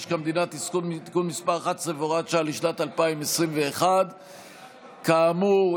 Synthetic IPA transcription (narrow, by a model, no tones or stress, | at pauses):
ʃkamd̪inat̪iskunt̪i̥kunmispaʁaχat̪sevoʁatʃaliʃlat̪alpaimesʁimveːχad̪ | kaːmu